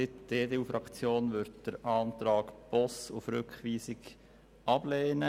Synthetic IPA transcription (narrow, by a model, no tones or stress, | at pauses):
sɪtd̥eːdeːufɾɑkt͡sjoːnʋʏɾdd̥əɾʔɑːnt̪ɾɑːkb̥ɔsʊfɾʏkχʋiːsɪɡ | ʔɑb̥leːnə